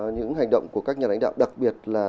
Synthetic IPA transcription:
ɲɨ̰˧˥ŋha˨˩ŋɗə̰˧˨wŋ͡mku˧˩əkaː˦˥k̚ɲaː˨˩la̰˧˥ŋɗa̰ː˧˨wɗa˨˩k̚ɓi˨˩ət̚laː˨˩

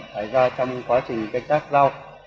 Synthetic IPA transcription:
saː˧˩jzaː˧t͡ɕɔ˧wŋ͡mkwaː˨˦t͡ɕï˨˩ŋ̟kə˧ŋt̪aː˦˥k̚za˧w

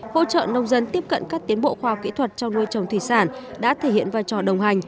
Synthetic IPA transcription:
ho̰˧˥t͡ɕə̰ː˧˨nə˧wŋ͡mzə˧nt̪i˦˥əp̚kə̰˧˨nkaː˦˥k̚t̪i˨˦ənɓo̰˧˨xwaː˧hk͡p̚kḭ˧˥t̪ʰwə˨˩t̚t͡ɕɔ˧wŋ͡mnu˧əjt͡ɕə˨˩wŋ͡mt̪ʰi˧˩saː˧˩nɗa̰ː˧˥t̪ʰe˧˩hḭ˧˨ənvaː˧˩jt͡ɕɔ˨˩ɗə˨˩wŋ͡mha˨˩jŋ̟

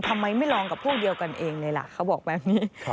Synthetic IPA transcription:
t̪ʰa˧mːa˧jma˥˩jlɔː˧ŋka˨˩pʰuː˥˩di˧əwka˧nʔeː˧ŋlɤː˧jla̰˨˩kʰa˦˥wbɔː˨˩k̚bɛː˨˩p̚niː˦˥

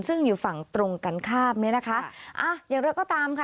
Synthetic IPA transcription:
nsɯ˥˩ŋjuː˨˩fa˨˩ŋt̪ɾo˧ŋka˧nkʰaː˥˩p̚ni˦˥na˦˥kʰa˦˥ʔʔa˧˩jaː˨˩ŋɾaː˧˥kɔː˥˩t̪aː˧mkʰa˥

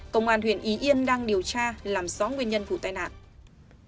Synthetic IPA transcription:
kə̰˧˨wŋ͡mʔwaː˨˩nhwḭ˧˨ənʔi˨˦ʔi˧əmɗaː˧ŋɗi˨˩əwt͡ɕaː˧laː˨˩msɔ˨˦nŋwənɲə˧nvṵ˧˩t̪aː˧jna̰ː˧˨nʔ

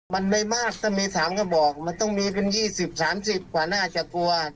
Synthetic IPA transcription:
ma˧nma˥˩jmaː˥˩k̚t̪ʰa˥˩miː˧sʰaː˩˦mkʰɔ˥˩bɔː˨˩k̚ma˧nt̪ɔ˥˩ŋmiː˧pe˧njiː˥˩si˨˩p̚saː˩˦msi˨˩p̚kwaː˨˩naː˥˩t͡ɕa˨˩t̪u˧ɐ

